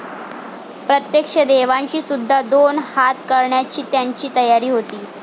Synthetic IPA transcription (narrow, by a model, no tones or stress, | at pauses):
pɾət̪jekʂəd̪eʋãɲt͡ɕiːsud̪ʱːad̪onhat̪kəɾɳjat͡ɕiːt̪jaɲt͡ɕiːt̪əjaɾiːɦot̪iː